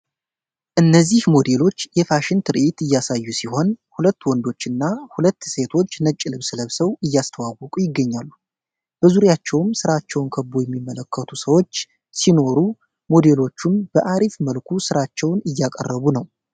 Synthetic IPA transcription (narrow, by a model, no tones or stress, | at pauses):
ʔɨnːəzːihmo̞d̪e̞lo̞t͡ʃːjɛfaʃɪnt̪ʰɨɾʔɪt̪ɨjːasajːusiho̞nhulət̪ːwɔnd̪o̞t͡ʃːɨnːahulət̪ːse̞t̪ʰo̞t͡ʃːnət͡ʃʼːɪlɨβsɨləβsəwɨjːast̪ʰəwawɔkʼujɪɡːəɲːalːu | b̥əzuɾjat͡ʃːɛwmsɨɾat͡ʃːɛwnkʰəbojɛmːimːələkʰːət̪ʰusəwo̞t͡ʃː | sino̞ɾu | mo̞d̪e̞lo̞t͡ʃːumbəʔaɾifməlkʰusɨɾat͡ʃːɛwnɨjːakʼə̰rːəβunəw